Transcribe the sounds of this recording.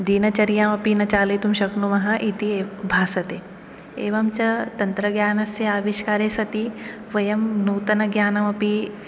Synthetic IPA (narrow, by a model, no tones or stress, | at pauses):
d̪iːnɐt͡ʃɐɾijaːmɐpinɐt͡ʃaːlet̪umʃɐknumɐɦɐ̆ʔit̪iːbʱaːsɐt̪eː | eːʋɐmt͡ʃɐt̪ɐnt̪ɾɐɡjaːnɐseaːʋiʃkaːɾeːsɐt̪i | ʋɐjɐmnuːt̪ɐnɐɡjaːnɐmɐpi